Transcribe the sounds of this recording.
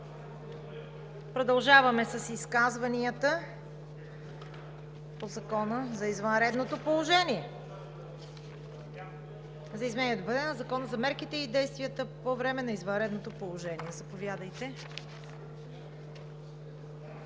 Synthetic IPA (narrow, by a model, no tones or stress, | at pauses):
pɾod̪ɐlˠʒavɐmɛsɐsiskazvɐniət̪ə | pozɐkɔnəzɐizvɐnɾɛd̪not̪opolˠoʒɛniɛ | zɐizmɛniɛd̪obd̪ɛnəzɐkɔnəzɐmɛɾkit̪ɛid̪ɛjst̪vʲiət̪əpovɾɛmɛnɐizvɐnɾɛd̪not̪opolˠoʒɛniɛzɐpovʲjad̪əjt̪ɛ